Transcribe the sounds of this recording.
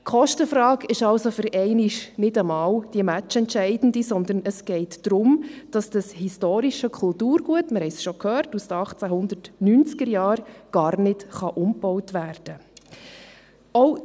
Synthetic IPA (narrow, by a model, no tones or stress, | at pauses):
kχɔʃtəfɾɑːkɪʃɑlsofʏɾʔɛɪniʃnɪdəmɑːwd̥iəmæt͡ʃɛntʃɛɪdn̩disɔnd̪ənəsɡ̥ɛɪtd̥ɾʊmd̥ɑsd̥əshistoːɾiʃəkʰʊltuːɾɡ̥uətməɾhɛɪsʃɔkʰhœːɾtusdəɑχt͡sæɦʊnd̪ərtnynt͡skəɾjɑːɾɡ̥ɑːɾnɪdχɑʔʊmbɔwtʋæːrd̥ə | ɔʊ